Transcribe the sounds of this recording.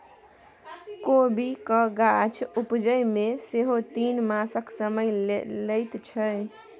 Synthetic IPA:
kobikəɡat͡ʃʰupd͡ʒəjmeseɦot̪inmasəksəməjləjt̪t͡ʃʰə

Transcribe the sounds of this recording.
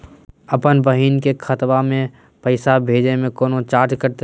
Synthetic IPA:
əpənbəɦiːnkekʰət̪ʋamẽ | pəɪsabʱeːd͡ʒnemẽkoːnot͡ʃaːɾd͡ʒkəɾt̪

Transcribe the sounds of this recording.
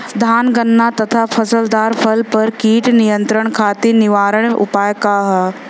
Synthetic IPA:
d̪ʱaːnɡənːat̪ɐt̪ʰapʰɐsəld̪aːɾpʰɐlpɐɾkiːʈnijə̃nt̪ɾəɽ̃kʰaːt̪inɪʋaːɾəɽ̰̃ʊ̰paːjkaɦɐ

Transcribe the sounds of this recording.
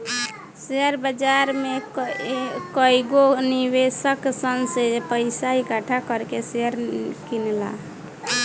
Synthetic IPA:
seəɾbəd͡ʒaɾme | kəjɡonibesəksənsepəɪsaikaʈʰakəɾkeseəɾkinla̰

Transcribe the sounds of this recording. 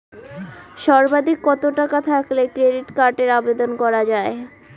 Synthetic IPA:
ʃɔɾbad̪ʱikːɔt̪oʈakat̪ʰaklekɾeɖiʈkaɾɖeɾabed̪onkɔɾad͡ʑae

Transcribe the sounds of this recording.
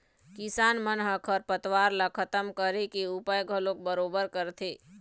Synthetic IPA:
kɪsaːnmənɦəkʰəɾpət̪waːɾlakʰət̪əmkəɾekiupəjɡʱəlõkbəɾoːbəɾkəɾt̪ʰeː

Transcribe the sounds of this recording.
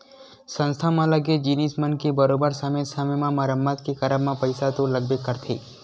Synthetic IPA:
sə̃nst̪ʰamãləɡed͡ʒinismənkebəɾobəɾsamesamemãmaɾəmːat̪̚kikəɾamãpəjsat̪oləɡ̚bekəɾt̪ʰi

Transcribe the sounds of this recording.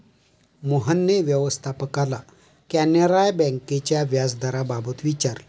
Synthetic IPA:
moɦənːeʋjəʋəst̪ʰapəkala | kɛnəɾajbɛ̃ŋket͡ɕjaʋjad͡zd̪aɾababət̪ʋit͡ɕaɾl

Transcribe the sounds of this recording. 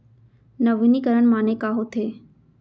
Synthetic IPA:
nɐʋɪnikəɾəɽ̃maːnekaːɦot̪ʰeː

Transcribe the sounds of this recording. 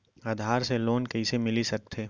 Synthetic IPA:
aːd̪ʱaːɾseloːnkɐisemɪlisɐk̚t̪ʰeː

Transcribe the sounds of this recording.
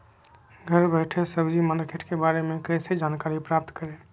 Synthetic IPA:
ɡʱəɾbəɪʈʰesəbd͡ʒiməkʰeʈkebaɾemekɾesed͡ʒankaɾipɾap̚t̪kəɾe

